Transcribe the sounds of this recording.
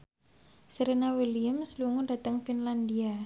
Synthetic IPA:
seɾenawiliʊmsluŋudat̪əŋfinland̪ia

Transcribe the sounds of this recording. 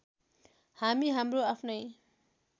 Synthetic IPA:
hamiɦamroapʰnʌj

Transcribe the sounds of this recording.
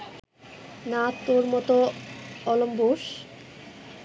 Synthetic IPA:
nat̪ːoɾmɔt̪oɔlomboʃ

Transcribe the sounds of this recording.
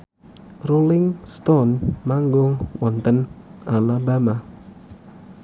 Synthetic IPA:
rulɪŋst̪ɔnmaŋɡɔŋwɔnt̪ənʔalabama

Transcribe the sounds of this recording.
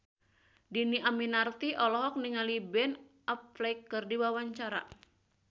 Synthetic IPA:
diniʔaminart̪iʔɔlɔɦɔk̚niŋalibɛn | apflɛjkːɨrdiwawaɲt͡ʃaɾa̰

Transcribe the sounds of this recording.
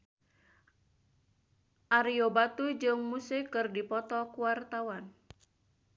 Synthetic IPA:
ʔaɾiobat̪ud͡ʒɨŋmusekɨrdipɔt̪ɔkuwart̪awan

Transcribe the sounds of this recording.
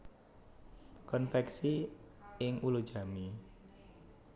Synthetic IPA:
kɔnfɛksi | ɪŋʔulu̥ʒ̥a̤mi

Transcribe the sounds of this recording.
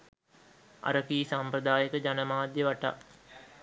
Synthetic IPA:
a̰ɾəkiːsamprəd̪aːjəkəd͡ʒanəmaːd̪jəʋaʈa̰

